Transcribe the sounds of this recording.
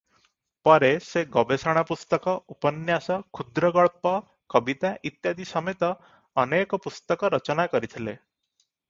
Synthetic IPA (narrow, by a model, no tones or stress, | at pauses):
pɔɾeseɡɔbesɔɽ̃apust̪ɔkɔʔupɔnjasɔkʰud̪ɾɔɡɔɭpɔ | kɔbit̪aʔit̪jad̪isɔmet̪ɔː | nekɔpust̪ɔkɔɾɔt͡ʃɔnakɔɾit̪ʰile